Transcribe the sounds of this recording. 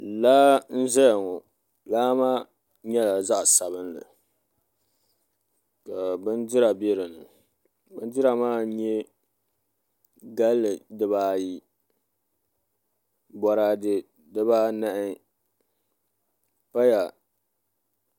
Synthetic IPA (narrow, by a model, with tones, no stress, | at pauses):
laː˦n̩˦zɛ˦ja˨ŋɔ˨ | laː˦maː˦ | ɲɛ˦la˨za˦ʔsa˨βɨ˦n˦lɨ̰˨ | ka˨bɨ˦ndɪ˦ɾa˨be˦ɾɨ˨nɨ˨ | bɨ˦n˦dɨ˦ɾa˨maː˦ɲɛ˦ | ɡa˦lːɨ˨dɨ˦baː˦ji˦ | bɔ˨ɾaː˦dɨ˦ | dɨ˦baː˦na˦ʔɪ˦ | pa˦ja˨